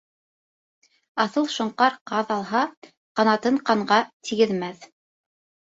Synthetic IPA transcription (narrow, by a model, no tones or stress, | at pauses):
ɑθɤlˠʃŏɴqɑɾqɑðɑlˠɦɑ | qɑnɑt̪ɤɴqɑɴʁɑt̪ʰiɡɘ̆ðmæθ